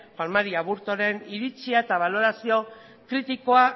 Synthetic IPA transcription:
falmaɾiaβuɾt̪o̞ɾe̞niɾit͡siaet̪aβ̞alo̞ɾasio̞ | kɾit̪iko̞a

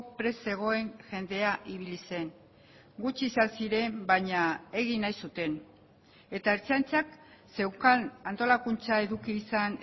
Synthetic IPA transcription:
pɾe̞sːe̞ɣ̞o̞e̞ŋʝe̞nd̪e̞aʔiβ̞ilise̞n | ɡut͡ʃiːsansiɾe̞mbaɲae̞ɣinːajsut̪e̞n | e̞t̪aeɾt͡seant͡sakse̞wkanant̪o̞lakunt͡sae̞ðukiːsan

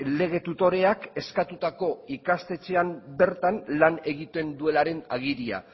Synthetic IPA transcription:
le̞ɣ̞e̞t̪ut̪o̞ɾe̞ake̞skat̪ut̪ako̞ikast̪e̞t͡ʃe̞ambe̞ɾt̪anlane̞ɣ̞it̪e̞nd̪ue̞laɾe̞na̰ɣ̞iɾia̰

